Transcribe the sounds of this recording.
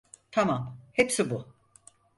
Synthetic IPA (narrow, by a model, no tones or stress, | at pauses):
t̪ʰamamhepsibu